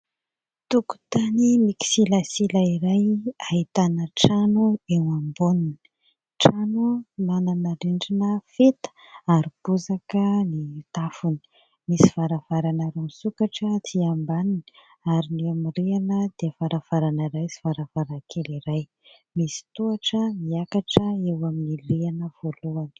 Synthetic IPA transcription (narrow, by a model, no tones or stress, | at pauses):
t̪uku̥t̪animiki̥silasilaiɾajait̪anəʈ͡ʂanuewambunin | ʈ͡ʂanumananaɾiɳɖ͡ʐinəfet̪ə̥ | aɾib̥uzakənit̪afuni̥ | misiv̥aɾav̥aɾanaɾunisukaʈ͡ʂət̪ʰiambanini̥ | aɾineamireanəd̪̥eəvaɾav̥aɾanaɾajsi̥vaɾav̥aɾakʰeliɾaj | misi̥t̪uaʈ͡ʂəmiakaʈ͡ʂəewaminirianəv̥oluani̥